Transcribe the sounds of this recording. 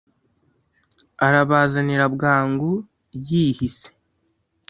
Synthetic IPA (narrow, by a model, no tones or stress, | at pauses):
aɾaβaːzaniɾabɡaːŋɡu | jiːhise̥